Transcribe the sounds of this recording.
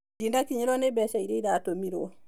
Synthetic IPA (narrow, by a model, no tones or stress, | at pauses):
dindakiɲɛlɔnɛbɛsaididatomiɾɔɔ